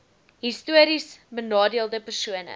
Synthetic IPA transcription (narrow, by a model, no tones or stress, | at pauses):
ɦistuəɾisbənɑːdiəlˠdəpərsuənə̰